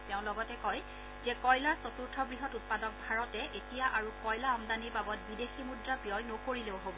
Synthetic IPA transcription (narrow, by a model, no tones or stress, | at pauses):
tɛʊ̃lɔɡɔtɛkɔj | zɛkɔjlaɹsɔtuɹtʰɔɡɹiɦɔtut̚padɔk̚bʱaɹɔtɛʔetijaʔaɹukɔjlaɔmdaniɹbabɔt̚bideximudɹabijɔjnokoɹileʊɦobɔ